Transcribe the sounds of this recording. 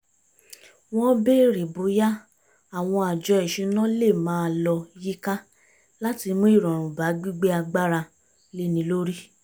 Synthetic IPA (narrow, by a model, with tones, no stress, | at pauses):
w̃ɔ̃˦be˦ɾe˨bo˨˦ja˦ | a˨w̃ɔ̃˧a˨d͡ʒɔ˧ɛ˨ʃĩ˧˦nã˦le˦˨mãː˨˦˧lɔ˧ji˦ka˦ | la˦ti˧mõ˦i˦˨ɾɔ̃˨ɾ̃ũ˨ba˨˦ɡ͡bi˦ɡ͡be˦a˧ɡ͡ba˦ɾa˧ | le˦˨nĩ˧lo˦ɾi˦